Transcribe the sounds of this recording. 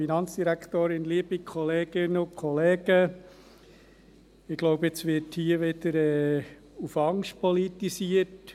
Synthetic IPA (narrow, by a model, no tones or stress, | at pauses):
inɑnt͡sd̥iɾækʰt̪oːɾɪnliəbikʰχɔleːɡ̥ɪnəʊkʰχɔleːɡ̥ə | ɪɡ̥lɔʊbəɪt͡sʋɪthiːəʋɪd̪̥əɾɛː | ufɑŋʃt̚pɔlitisiət